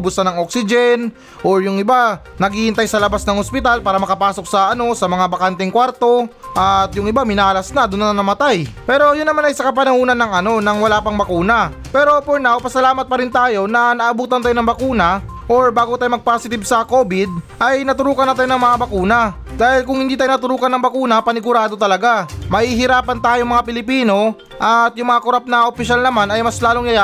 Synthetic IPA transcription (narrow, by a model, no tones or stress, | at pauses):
bʊsɐnɐŋoksɪd͡ʒɛn | ʔoɹjʊŋɪba | nɐɡɪhɪnt̪ajsɐlɐbasnɐŋospɪt̪alpaːɾɐmɐkɐpaːso̞k̚sɐʔɐno̞sɐmɐŋabɐkant̪ɛŋkwaɾt̪o̞ʔɐt̪jʊŋʔɪbamɪnaːlɐsnɐd̪ʊnːɐnɐnɐmɐt̪ajpɛːɾo̞jʊnːɐmanɐjsɐkɐp̬ɐnɐhuːnɐnːɐŋʔɐno̞nɐŋwɐlaːpɐŋbɐkuːnɐ | pɛːɾo̞poɹnawpɐsɐlaːmɐt̪̚pɐɾɪnt̪aːjo̞nɐnɐʔɐbuːt̪ɐnt̪aːjonɐŋbɐkuːnɐ | ʔoɹbaːɡot̪aːjomɐɡ̚pasɪt̪ɪbsɐko̞ːbɪd̪̚ʔɐjnɐt̪ʊɾuːkɐnɐt̪aːjonɐŋmɐŋabɐkuːnɐ | d̪aːhɪlkʊŋhɪnd̪iːt̪aːjonɐt̪ʊɾuːkɐnɐŋbɐkuːnɐpɐnɪɡʊɾaːd̪ot̪ɐlɐɡamɐhiːɦɪɾaːpɐnt̪aːjomɐŋapɪlɪpiːno̞ | ʔɐt̪jʊŋmɐŋakʊɾap̚nɐʔopɪʃalnɐmanɐjmɐslaːlo̞ŋjɐja